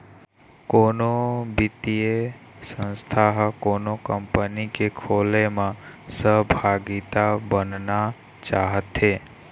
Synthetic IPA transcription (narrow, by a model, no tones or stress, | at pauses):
koːnobɪt̪ijesə̃nst̪ʰaɦkonokəmpənikekʰolemãsəɦbʱaɡit̪abənna | t͡ʃaːɦət̪ɦe